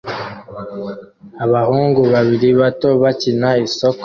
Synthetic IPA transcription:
aβahuːŋɡuβaβiɾiβatoβacinaisok

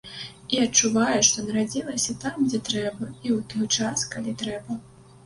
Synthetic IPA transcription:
iɐt͡ʂːuvajɛʂt̪ɔnɐɾad͡zʲilˠɐsʲɐt̪amɡd͡zʲɛt̪ɾɛbɐiwt̪ɔjt͡ʂaskalʲit̪ɾɛbɐ

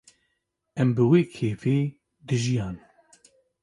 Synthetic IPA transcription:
ɛmbɨweːkʰeːfeː | d̪ɨʒijaːn

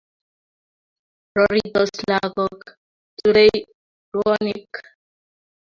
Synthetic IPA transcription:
ɾɔɾid̪ɔslaɡɔk | tuɾej | ɾɔnik

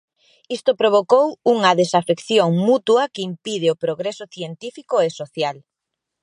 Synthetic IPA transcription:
ist̪opɾoβokowuŋɐðesafekθjoŋmut̪wɐkeimpið̞ɪopɾoɣɾesʊθjent̪ifikoesoθjal

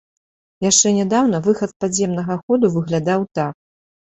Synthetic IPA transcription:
jaʂt͡ʂɛnʲɛd̪awnɐvɨxɐt̪̚pad͡zʲjɛmnɐɣɐxɔd̪uvɨɣlʲad̪awt̪ak̚

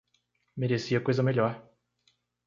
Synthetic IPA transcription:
meɾesiɐkojzɐmeʎɔɾ

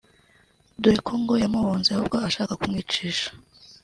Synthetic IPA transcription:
dojikʰoːŋɡo̞jamuβoːnzeahṵb̚ɡo̞aʃaːkakumŋiːt͡ʃiːʃḁ

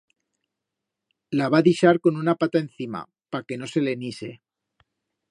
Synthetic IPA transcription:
laβaðiʃaɾko̞nunapat̪ae̞nθima̰ | pake̞no̞se̞le̞nise̞

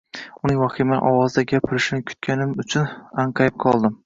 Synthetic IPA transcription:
ʊnɪŋwɒqʰimaʔɒwɒzd̪aɡʲapʰɪɾɪʃɪnɪkʲʰʊ̥t̪̚kʲʰanɪmʊt͡ʃʰʊnaɴqʰɑjɪp̚qʰɒlˠd̪ɪm

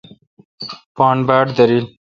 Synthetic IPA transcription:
paːɳbaːʈd̪ɐɾil

